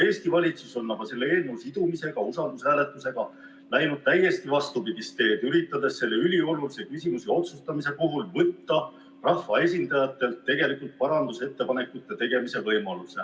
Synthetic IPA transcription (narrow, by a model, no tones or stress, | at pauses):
e̞ːst̪ivɑlʲit̪suso̞nːɑɡ̥ɑse̞lːeeːlneusid̪̥umise̞ɡ̥ɑusɑld̪usæːle̞t̪ːˑuse̞ɡ̥ɑ | læjnud̪̥̚t̪æje̞st̪ivɑst̪upiɡ̪ist̪e̞ːd̪̥yɾit̪ːˑɑd̪e̞sːe̞lːe̞ylʲio̞lulisekysʲimusio̞t̪sust̪ɑmise̞koɦulvɤt̪ːɑ | rɑhfːɑe̞sʲind̪ɑjɑt̪ːˑe̞lt̪ːe̞ɡe̞likːˑult̪̚pɑɾɑnd̪use̞t̪ːe̞pɑne̞kut̪ːˑet̪e̞ɡ̥e̞mise̞vɤjmɑluse̞